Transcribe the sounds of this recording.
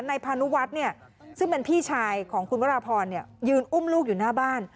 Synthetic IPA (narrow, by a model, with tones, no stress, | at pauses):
nːa˧jpʰaː˧nu˦˥wa˦˥t̪̚ni˥˩ɐ | sɯ˥˩ŋpe˧npʰiː˥˩t͡ɕʰaː˧jkʰɔː˩˦ŋkʰu˧nwa˦˥ɾaː˧pʰɔː˧nːi˥˩ɐjɯː˧nʔu˥˩mluː˥˩k̚juː˨˩naː˥˩baː˥˩n